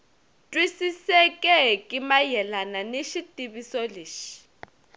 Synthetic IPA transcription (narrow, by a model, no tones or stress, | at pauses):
tʼwisisɛkʼɛkʼimajɛlananeʃitʼibisoliːʃi̥